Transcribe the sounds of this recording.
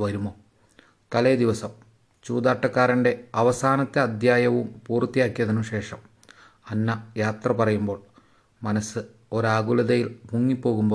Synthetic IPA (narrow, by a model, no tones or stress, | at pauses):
ʋɐɾumoː | t̪ɐlɐd̪iʋɐsɐm | t͡ɕuːd̪aːʈːɐkːaːɾiɳɖe̞ɐʋɐsaːnɐt̪ːeɐd̪ʱjaːjɐʋumpuːrt̪ːijaːkːijɐðinːuɕe̞ːʂɐm | ɐnːɐjaːt̪rɐpɐrɐjumbo̞ːɭ | mɐnɐsɨ | o̞ɾaːɡuɭɐðɐjilmuŋːipːo̞ːɣumbo̞ː